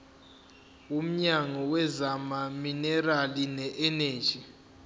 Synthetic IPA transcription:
um̩ɲaŋɔwɛzamaminɛralinɛʔɛneːd̥d͡ʒ̥ʱi

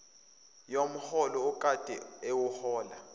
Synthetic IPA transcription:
jom̩hɔlɔukʼad̥ʱʼɛ̰ewuhɔːla

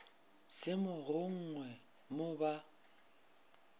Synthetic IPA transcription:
sɪmʊrʊŋ̩ŋwɛ | mʊba

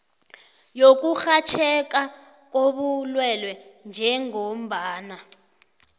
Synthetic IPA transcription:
jok̬uxat͡ʃʰɛk̬a | k̬oɓulwɛlwɛnd͡ʒʱɛŋom̩bʱaːna

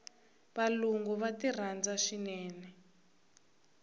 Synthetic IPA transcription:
βaluŋɡɔβatir̤and͡zaʂinɛːnɛ

